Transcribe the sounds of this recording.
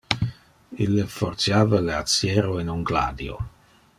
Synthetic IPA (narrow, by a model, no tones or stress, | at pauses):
ilːefort̪sjaːvaleat̪sjɛːɾoinuŋɡla̰ːd̪jo̰